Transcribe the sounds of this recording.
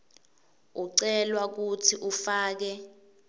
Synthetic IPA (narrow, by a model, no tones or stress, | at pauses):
uǀɛlwak̬utʰiʔufaːk̬ɛ